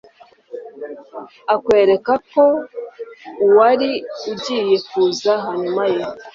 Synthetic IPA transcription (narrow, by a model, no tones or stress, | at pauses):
akwe̞ːɾe̞kako̞ | waɾiuɟije̞kuzaɦaɲumaje